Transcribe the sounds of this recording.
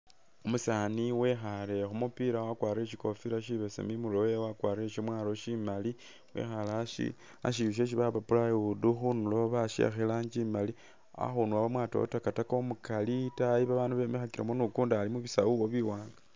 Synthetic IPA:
omusaniwe̞xale̞xomupiɾawakwaːɾeʃiko̞fiɾaʃiβe̞sḛmimulojewakwaːreʃomwaːloʃimali | wḛxalaḭ | a̰ʃ̬iβiʃ̬eʃ̬iβaβapulajuduxunuloβaʃḛxelaɲd͡ʒimali | a̰xunuaβamwato̰o̰takatakomukalitajiβaβaːnduβemexakiɾamonukuːndaːlimuβisawuoβiwaːŋɡa

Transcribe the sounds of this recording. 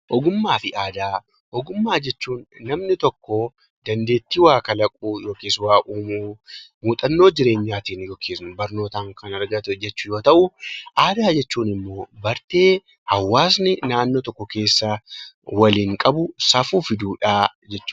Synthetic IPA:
ʔɔɡʊmːaːfɪʔaːd̪aː | ʔɔɡʊmːaːd͡ʒɛt͡ʃːuːnːɐmnɪt̪ɔkːɔ | d̪ɐnd̪e̞ːt̪ːɪwaːkɐlɐkʼuːjo̞ːkeːswaːʔuːmuːmuːt̪ʼɐnːo̞ːd͡ʒɪɾe̞ːɲːaːt̪iːnjoːkʰeːsnʊbɐɾno̞ːt̪aːŋkɐnɐɾɡɐt̪ʊd͡ʒɛt͡ʃːʊjo̞ːt̪ɐʔʊʔaːd̪aːd͡ʒɛt͡ʃːuːnɪmːo̞ːbɐɾt̪eː | hɐwːaːsnɪnaːnːoːt̪ɔkːɔke̞ːsːɐ | wɐliːŋkʼɐbʊsɐfuːfɪd̪uːᶑaːd͡ʒɛt͡ʃːuː

